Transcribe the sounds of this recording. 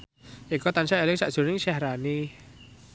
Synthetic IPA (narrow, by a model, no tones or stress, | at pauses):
ʔikɔt̪ansaelɪŋsaʔd̥ʒ̥ṳɾɪŋʃɛhɾani